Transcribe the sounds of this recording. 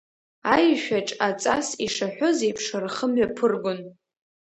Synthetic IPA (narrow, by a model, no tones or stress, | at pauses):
ajʃᶣaʈ͡ʂʼat͡sʼasiʂaħʷᶣozejpʰʂarχəmɥapʰɨrɡʷʊn